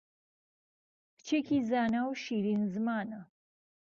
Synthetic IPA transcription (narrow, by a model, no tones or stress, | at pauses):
pt͡ʃʰikʰizaːnawʃiɾinzmaːna